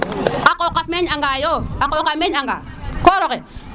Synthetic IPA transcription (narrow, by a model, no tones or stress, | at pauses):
akokafmɛɲaŋɡajoakokameaŋɡa̰kɔːɾokɛ